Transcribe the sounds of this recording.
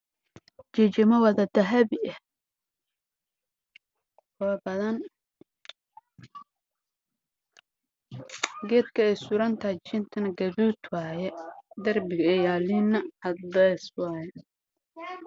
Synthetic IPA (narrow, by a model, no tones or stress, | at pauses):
d͡ʒɪt͡ʃɪmɐwɐðɐd̪ɐɦɐβɪɛh | kʰʊbɐðɐn | ɡɛːd̪kʰɐɛsʊɾɐnt̪ʰat͡ʃɪnt̪ʰɐnɐɡɐβuːt̪waːjɛd̪ɐrbɪɣɐɛjaːlinɐʔɐd̪ɐswaːjɛ